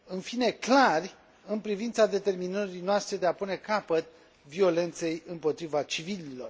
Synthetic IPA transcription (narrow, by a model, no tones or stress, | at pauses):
ɨnfine̞klarʲ | ɨnpɾivint̪sad̪e̞t̪e̞rminəɾijnoast̪ɾe̞d̪e̞apune̞kapət̪̚ | vio̞le̞nt̪se̞jɨmpo̞t̪ɾivat͡ʃivililo̞r